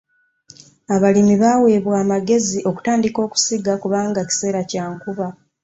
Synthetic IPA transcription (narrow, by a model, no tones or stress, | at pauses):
aβalimiβaːwe̞ːβwaːmaɡe̞ziʔo̞ku̥taːndiko̞ːku̥siɡakuβaːŋɡaci̥se̞ːɾacaːŋkuβa